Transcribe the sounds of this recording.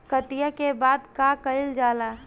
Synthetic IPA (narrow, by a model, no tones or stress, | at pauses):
kət̪ijakebaːd̪kakəɪld͡ʒaːlaː